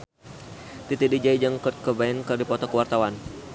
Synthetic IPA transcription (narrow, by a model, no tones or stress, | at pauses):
t̪it̪idid͡ʒaid͡ʒaŋkɔt̪̚kəbaɛnkərdipɔt̪ɔkəwart̪awan